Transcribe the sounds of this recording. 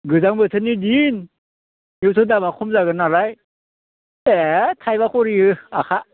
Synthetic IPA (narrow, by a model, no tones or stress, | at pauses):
ɡɯzaŋbɯtʰɯnidin | jɯwtʰɯdamakʰɔmzaɡɯnaɾaj | etʰajbakʰɔɾiɯakʰa